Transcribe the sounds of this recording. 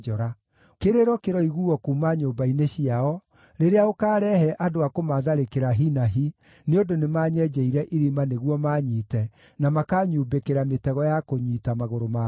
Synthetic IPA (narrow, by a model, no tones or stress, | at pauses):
ɔɾa | keɾeɾɔkeɾɔiɣuɔkuːmaɲoːbaineɕiaɔ | ɾeɾeaokaːɾɛhɛʔadoakomaðaɾekeɾaɦinaɦi | neodonemaːɲɛd͡ʒɛiɾɛʔiɾimaneɣwɔmaɲitɛ | namakaːɲuːbekeɾametɛɣɔjakoɲiːtamaɣoɾoma